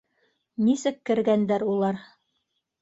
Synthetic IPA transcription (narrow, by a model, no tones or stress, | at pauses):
nisɘkːɘ̆ɾɡænd̪æɾulˠɑɾ